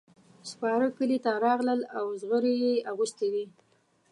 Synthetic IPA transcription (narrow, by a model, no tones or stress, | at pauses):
spɑɾəkəlit̪aɾɑɣləlawzɣəɾejeaɣust̪ewi